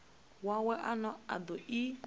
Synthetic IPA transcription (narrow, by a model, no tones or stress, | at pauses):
wawɛʔanɔa̰d̪ɔi